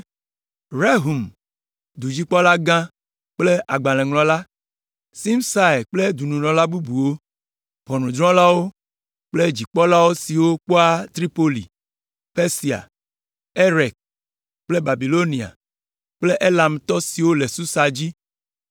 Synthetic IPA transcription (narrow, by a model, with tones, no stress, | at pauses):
ɾe˦ɦu˨m | d̪u˨d͡ʑi˦k͡pɔ˦la˦ɡã˦ | k͡ple˦ʔa˨ɡ͡bã˨lɛ̃˨ŋlɔ̃˨la˦ | si˦msa˦e˨k͡ple˦d̪u˨nũ˨nɔ̃˨la˦bu˦bu˨wo˦ | ɸɔ˨nũ˨d̪ɾɔ̃˦la˦wo˦ | k͡ple˦d͡ʑi˨k͡pɔ˦la˦wo˦si˨wo˦k͡po˦a˦t̪ɾi˦po˦lḭ˨ | pe˦si˨a̰˨ | e˦ɾɛ˨k̚ | k͡ple˦ba˨bi˨lo˦nĩ˨a̰˨ | k͡ple˦ʔe˦la˨mt̪ɔ˦si˨wo˦le˨su˦sa˨d͡ʑi˦